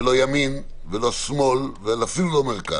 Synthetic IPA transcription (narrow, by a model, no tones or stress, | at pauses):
lo̞jamin | velo̞smo̞lveelafilulo̞melka̰